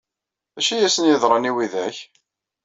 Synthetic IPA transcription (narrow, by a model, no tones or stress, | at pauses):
æʃijæsənjɪðɾˤɑniwiðæç